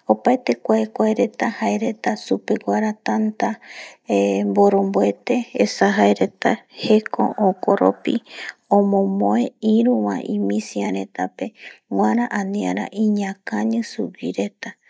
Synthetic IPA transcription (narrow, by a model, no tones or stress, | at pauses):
o̞paet̪e̞kʷaekʷaeɾe̞t̪ahaeɾe̞t̪asupekʷaɾat̪ant̪aembo̞ɾo̞mboet̪e̞ːsaɦaeɾe̞t̪ahe̞kõ̰ʔokoɾo̰piõmõmõeĩɾũʋã̰ʔĩmĩsiãɾe̞t̪ape̞wãɾãʔãnĩaɾa̰ʔĩɲãkaɲɨsupiɾe̞t̪a